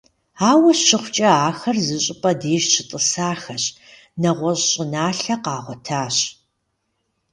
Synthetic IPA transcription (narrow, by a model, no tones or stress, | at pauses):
aːwɐɕɕɪχʷt͡ʃʼɐaːxɐrzɨɕʼɪpʼɐdeːʃt͡ʃʰɪtʼɨsaːxɐɕ | nɐʁʷɔɕɕʼɪnaːɬɐqɑːʁʷɔtʰaːɕ